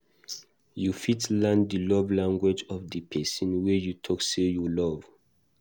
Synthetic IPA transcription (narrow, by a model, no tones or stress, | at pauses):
jufitlãndəlɔvlãŋɡwɛd͡ʒɔfdəpʰɛsɔ̃nwɛjutʰɔksejulɔv